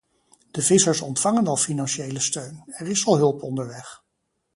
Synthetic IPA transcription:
d̥əvɪsəɹsɔntfɑŋənɑlˠfinɑnʃejləstøɥnɛɹɪsɑlˠɦɵlˠpɔndəɹʋɛχ

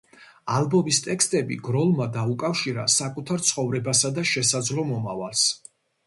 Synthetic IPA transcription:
alˠbɔmist̪ʼɛkst̪ʼɛbḭɡɾɔlˠmad̪aukʼafʃiɾa̰sakʼut̪ʰaɾt̪sʰχɔvɾɛbasad̪aʃɛsad̪zlɔmɔmavalˠs

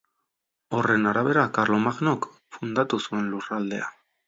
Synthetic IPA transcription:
o̞re̞naɾaβe̞ɾakarlo̞maɣnok | fund̪at̪usue̞nlurald̪e̞̰a

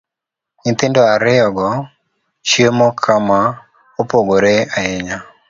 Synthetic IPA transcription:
ɲɪnt̪ɪndɔaɾɪjɔɡɔ | t͡ʃjemokʰama | opoɡoɾeaɪɲa

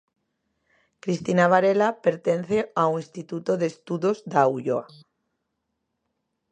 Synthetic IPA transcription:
kɾist̪inaβ̞aɾelapeɾt̪enθeauĩnst̪it̪ut̪oðest̪uðozd̪auʎoa

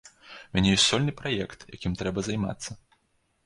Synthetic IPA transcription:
umʲanʲɛjɔsʲsɔlʲnɨpɾajɛkt̪ja̰kʲimt̪ɾɛbɐzajma̰t̪sːɐ

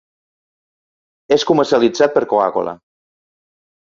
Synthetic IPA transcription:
eskuməɾsialid͡zat̪̚pəɾkoa̰ko̰la̰

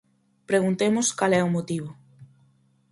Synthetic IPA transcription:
pɾeɣunt̪emʊskalɛʊmot̪iβʊ

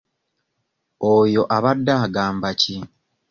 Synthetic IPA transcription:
ojo̞ʔaβadːaːɡaːmbaci

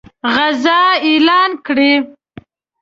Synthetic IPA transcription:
ɣazɑelɑːnkɽe

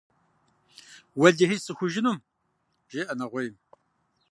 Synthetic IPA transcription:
wɐɮehisɨxʷʊʒɪnum | ʒ̥eːʔɐnɐʁʷɔjm

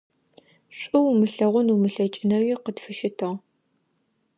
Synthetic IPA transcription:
ɕʷʼʊwmɨɬɐʁʷʊnumɨɬɐt͡ʃʼɪnɐwiːqədfɨʃɪtʰɨʁ

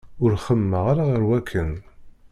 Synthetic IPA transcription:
ʊɾχəmːəʁaɾaʁəɾwækʰːən

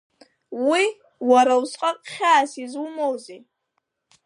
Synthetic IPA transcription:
wi | wɐɾɐwsʼqʼɐqʼχʲaːsizwumowzi

